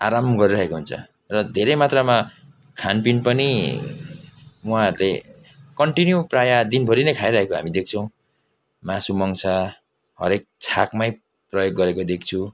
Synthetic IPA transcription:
a̰ɾamɡʌɾiɾʌɦekoɦunt͡sʰʌ̰ | rʌd̪ʱeɾʌjmat̪rama | kʰanpinpʌni | ũɦãɦʌɾule | kʌɳʈinjuprajad̪inbʱʌɾinʌjkʰajɾʌɦekoɦa̰mid̪ek̚ʰt͡sʰʌw̃ | masumʌŋsa | hʌ̰ɾek̚t͡sʰakmaj | prʌjoɡːʌɾekod̪ekʰt͡sʰu

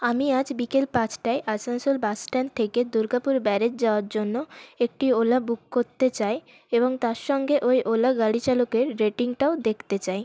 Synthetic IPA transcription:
amiad͡ʑbikelpãt͡ɕʈaeʔasansolbasʈant̪ʰeked̪uɾɡapuɾbɛɾed͡ʑd͡ʑaoaɾd͡ʑonːoek̚ʈiolabukːoɾt̪et͡ɕaj | eboŋt̪aɾʃɔŋɡeʔojʔolaɡaɽit͡ɕalokeɾːeʈiŋʈaod̪ekʰt̪et͡ɕaj

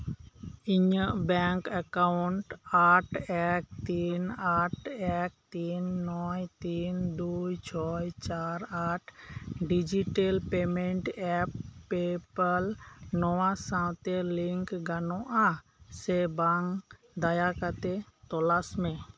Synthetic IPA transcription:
iɲəʔbɛŋkakauɳʈaʈʰɛk̚t̪inaʈʰɛk̚t̪inːɔjt̪ind̪ujt͡ʃʰɔjt͡ʃaɾaʈʰɖid͡ʒiʈelpemɛɳʈɛpːepəlnɔwasãwt̪ɛliŋkɡanɔʔa | sɛbaŋ | d̪ajakat̪ɛt̪ɔlasmɛ̃

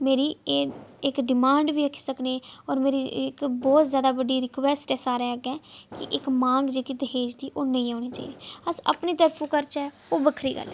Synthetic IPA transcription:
meːɾiːeːɪkɖɪmãːɳɖʋiːəkʰi̥səkneːɔːɾmeːɾiːɪkbɔːt̪zjaːd̪aːbəɖiːɾɪkʋɛːsʈɛːsaːɾɛːəɡɛːkɪʔɪkmãːŋɡd͡ʒeːkiːd̪əɦeːd͡ʒd̪iːʔoːnə̃ĩːãːniːt͡ʃa̰ːiːd̪eːəsə̰pniːt̪əɾpʰũːkəɾt͡ʃɛː | oːbəkʰɾḭːɡə̰lɛ̰ː

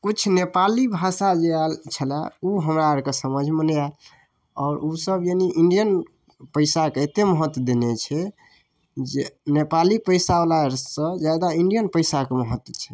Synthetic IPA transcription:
kut͡ʃʰnepalibʱasad͡ʒealt͡ʃʰəla̰uɦəmɾaɾkesəməd͡ʒʱmənal | ɔːɾusəbjeniʔiɳɖijən | pəɪsakeet̪eməɦət̪ːwd̪enet͡ʃʰɛ | d͡ʒenepalipəɪsalaɾsə̃d͡ʒad̪aiɳɖijənpəɪsakeməɦət̪wt͡ʃʰɛ̥

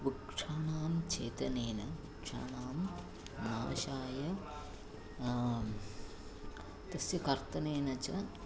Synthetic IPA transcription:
ʋukʂʰɐɳaːmt͡ʃeːt̪ɐneːnɐ | kʂʰa̰naːm | naːʃaːjɐ | t̪ɐsjɐkɐɾt̪ɐneːnɐt͡ʃɐ

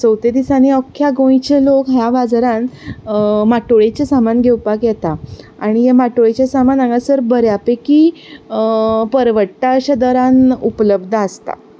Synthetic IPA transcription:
səwt̪ed̪isaniɔkʰːjaɡõjit͡ɕelokɦjaʋad͡zɾãn | maʈoɭet͡ɕasamanɡʱewpakjɛt̪a | aɽ̃ijemaʈoɭet͡ɕasamanaŋɡasəɾbəɾjapeki | pəɾʋəʈːaɕəd̪əɾanupləbd̪ʱaːst̪a̰

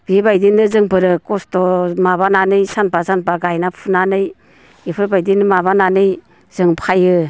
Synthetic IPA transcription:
b̥ibajdinːɯzɯŋpɯɾɯkɔstɔmaβananɯjsanpazanpaɡajnapʰunanɯj | ipʰɯɾbajdinɯmaβananɯj | z̥ɯŋpʰajɯ

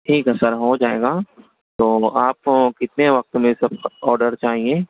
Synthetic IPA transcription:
ʈʰiːkɛsəɾɦod͡ʒaːḛːɡaː | t̪oːaːpkɪt̪neʋɐq̚t̪mesɐb̚ɔːɾɖəɾt͡ʃaːɦieː

